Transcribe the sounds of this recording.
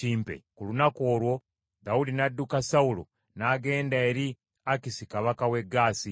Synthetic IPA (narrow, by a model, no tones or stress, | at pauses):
iːmpḛkulunakoːɾwo̞ | d̪audinadːukasaulo̰ | naːɡe̞ːndaeɾi | akisikaβakawe̞ɡaːsi